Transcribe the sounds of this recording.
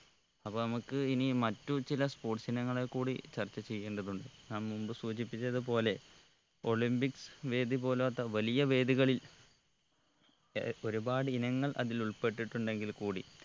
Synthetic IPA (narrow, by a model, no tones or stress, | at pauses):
ɐpːɐːnɐmukːɨinimɐtːut͡ɕilɐspo̞ːʈsɐnɐŋːɐɭekːuːɽit͡ɕɐrt͡ɕːɐt͡ɕe̞jːe̞ːɳɖɐðuɳɖɨɲaːmmumbɨsuːɕipːit͡ɕːɐðɨpo̞ːle̞ | o̞ɭimbiksʋe̞ːd̪ip̬o̞ːloːt̪ːɐʋɐlijɐʋe̞ːd̪iɣɐɭil | o̞ɾubaːɽɨinɐŋːɐɭʔɐ̰ðiluɭpe̞ʈːiʈːuɳɖe̞ŋɡilkuːɽḭ